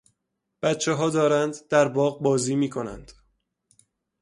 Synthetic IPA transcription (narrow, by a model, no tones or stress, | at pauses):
b̥æt̪t͡ʃʰeɦɒːd̪ɒːɾænd̪d̪æɾbɒːɣbɒːziːmiːkʰo̞næ̰nd̪̥